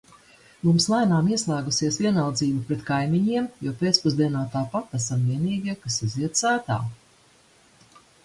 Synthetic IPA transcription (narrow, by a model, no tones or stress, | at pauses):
mumslˠajnaːmiɛslˠæːɡusiɛsviɛnalˠd̪ziːbupɾɛt̪kajmiɲiɛmjuɔpeːt̪spuzd̪iɛnaːt̪aːpat̪ːasamviɛniːɡʲiɛkasiziɛt̪sæːt̪a̰ː